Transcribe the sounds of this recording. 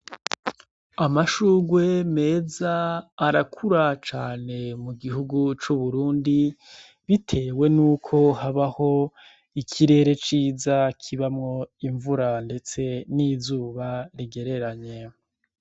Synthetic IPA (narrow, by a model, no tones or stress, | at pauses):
amaʃuːɡwe̞me̞ːzaːɾakʰuɾat͡ʃaːne̞muɡiɦuɡut͡ʃuβuɾuːndi | βitʰe̞ːwe̞nuːkʰo̞haβaho̞ | ikʰiɾe̞ːɾe̞t͡ʃiːzakʰiβamŋo̞iɱvuɾande̞t͡se̞nizuːβaɾiɡe̞ɾe̞ɾaɲe̞